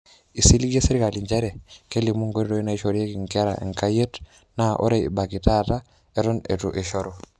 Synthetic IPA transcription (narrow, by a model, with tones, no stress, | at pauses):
i˨si˦li˦ɡe˦se˦ɾi˦ka˨li˨ɲd͡ʒe˦ɾe˨ke˦li˨mu˦ŋɡo˦ɾi˦ɾo˦i˦na˦i˦ʃo˨ɾi˦e˦ki˨ŋka˦ɾa̰˨ḛ˨ŋka˦je˦t | na˦ʔo̰˦ɾe˦˨ḭ˨ba˨ki˨ta˦ta˦ | e˦ɾo˦nḛ˨tu˨ʔe˨ʃo˦ɾo˨